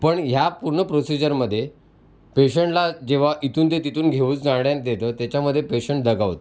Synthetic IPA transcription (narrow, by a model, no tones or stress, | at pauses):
pəɳɦjapuɾɳəpɾosid͡ʑəɾməd̪ʱːje | peɕəɳʈlad͡ʑeʋ̤aʔit̪uːnt̪et̪it̪uːnɡʱeʋuːt͡sd͡zãɽjãn̚d̪et̪ət̪jat͡ɕjaməd̪ʱːjepeɕəɳʈ̚d̪əɡaʋt̪